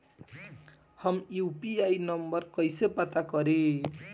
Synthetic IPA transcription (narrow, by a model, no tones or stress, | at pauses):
hʌmupiajnʌmbʌrkʌjsepat̪akʌɾe